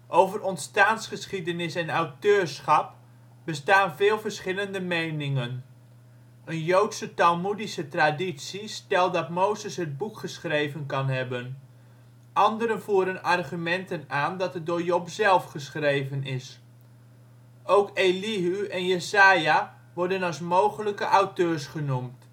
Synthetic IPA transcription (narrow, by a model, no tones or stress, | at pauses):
ʔowvərɔntstaːnsχəsχidənɪsɛnawtøːɹsχɑp | b̥əstaːnvɪːlˠvəɹsχɪləndəmejnɪŋən | ənjowtsətalˠmudisətradisistɛlˠdɑtmowzəsɦəd̚bukχəsχrejvənkɑnɦɛbən | ʔɑndəɾənvuːɾənɑrχymɛntənaːndɑtədoːɹjopzɛlˠfχəsχrejvənɪs | owkeliɦyɛnjəzaːja | ʋɔɹdənɑlˠs̬mowχələkəʔawtøːɹsχənumt